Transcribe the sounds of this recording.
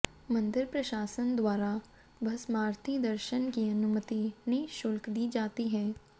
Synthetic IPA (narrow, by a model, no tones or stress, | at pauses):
mɐ̃nd̪ɪɾpɾɐʃaːsənd̪waːɾa | bʱɐsmaːɾt̪ʰid̪əɾʃənkiɐnʊmət̪ineʃʊlkd̪iːd͡ʒaːt̪iɦɛː